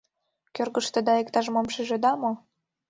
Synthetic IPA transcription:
kørɣəʃt̪ĕd̪ɑekt̪ɑʒmomʃiʒĕd̪ɑmo

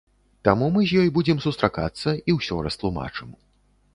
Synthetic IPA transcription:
t̪amumɨzʲjɔjbud͡zʲɛmsust̪ɾaka̰t̪sːɐiwsʲɔɾɐst̪lˠuma̰t͡ʂɨm

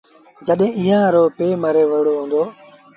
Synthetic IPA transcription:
d͡ʒəɗɦẽːiːãːɾoːpeːməɾeːʋəɾɽoːɦõːnd̪oː

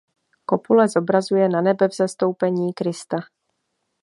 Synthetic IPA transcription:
ko̞pulɛzo̞bɾazujɛnanɛbɛvzɛst̪o̞wpɛɲiːkɾɪst̪a

